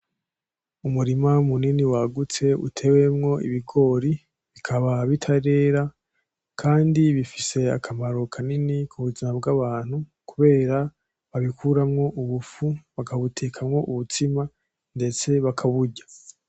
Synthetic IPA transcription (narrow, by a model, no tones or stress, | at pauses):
umuɾimamuniniwaɡut͡se̞ṵtʰe̞we̞mŋo̞ḭβiɡo̞ːɾi | βikʰaβaβitʰaɾe̞ːɾa | kʰaːndiβifise̞a̰kʰamaɾo̞kʰaninikʰuβuzimabɡaβaːn̥hukuβe̞ːɾa | βaβikʰuɾamŋo̞ʔuβufuβakaβutʰeːkʰamŋo̞ʔuβutima | nde̞t͡se̞βakʰaβuɟḁ